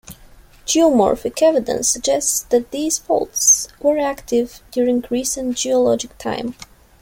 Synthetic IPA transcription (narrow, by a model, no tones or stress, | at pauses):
d͡ʒiɔmɔ̰ɹfɪkʰɛvɨdə̰̃nsəɡ̚d͡ʒɛstsðæt̪̚ðiːz̥fo̰lˠtswə˞æktʰɪvdjuɹɪ̃ŋɡɹisə̃ntd͡ʒiɔlɔd͡ʒɪk̚tʰã̰ɪ̃m